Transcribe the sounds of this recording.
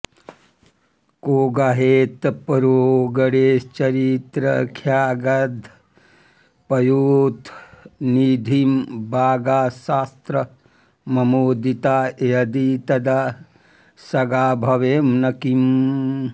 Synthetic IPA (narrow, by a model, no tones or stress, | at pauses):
koːɡaɦeːt̪pɐɾoɡɐɽeːt͡ʃɐɾit̪ɾɐ̰kʰjaːɡɐd̪ʱ | pɐjoːt̪niːd̪ʱimbʱaːɡaːʃaːst̪ɾɐ | mɐmoːd̪it̪aːjɐd̪it̪ɐd̪ɐ | sɐɡaːbʱɐʋeːmnɐkim